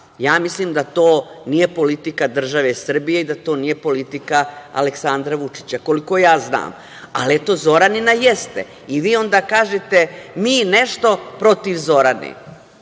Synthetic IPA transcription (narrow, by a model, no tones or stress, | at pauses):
jaːmislimd̪at̪oːnije̞po̞lit̪ikad̪r̩ʒaʋesr̩bije̞id̪at̪o̞ːnije̞po̞lit̪ikaa̰leksand̪ɾaʋut͡ʃi̥t͡ɕako̞liko̞jaːzna̰ːm | a̰liet̪oːzo̞ɾaninajest̪ḛ | iʋiːo̞nd̪aːkaːʒet̪e̞miːne̞ʃt̪o̞pɾo̞t̪iʋzo̞ɾanḛ